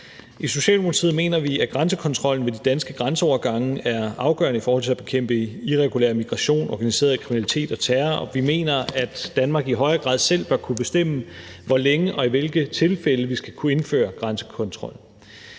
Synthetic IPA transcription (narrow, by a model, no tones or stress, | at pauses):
ʔiso̝ɕɛ̰ːlmokʰɑt͡sʰið̰̩ˠme̝̰ːnɐʋiæɡ̥ʁɑ̈nsəkʰɒ̽nt͡sʰʁɒ̽l̰n̩ʋe̝d̥id̥ænsɡ̥əɡ̥ʁɑ̈nsəɒʊɐɡ̥ɑ̈ŋəæɐɑ̈ʊɡ̥ɶ̰ɐnəifɒːhɒ̽l̰t͡sʰe̝æb̥e̝kʰem̰b̥əiʁɛɡ̥ulḛɐmiɡ̥ʁɑ̈ɕo̝̰ːnɒ̰ːɡ̥ænise̝̰ɐð̩ˠkʰʁiminælit͡sʰe̝̰ːd̥ɒt͡sʰæːɐɒ̽ʋime̝̰ːnɐæd̥ːænmɑ̈ːɡ̥iɦɒ̽ɪɐɡ̥ʁɑ̰ːð̰ˠsel̰b̥ɶɐkʰub̥e̝sd̥em̰ə | ʋɒleŋəʔɒ̽iʋe̝lɡ̥ət͡sʰe̝lfeləʋisɡ̥ækʰue̝nfø̰ːɐɡ̥ʁɑnsə̥kʰɒ̽nt͡sʰʁɒ̽l̰n̩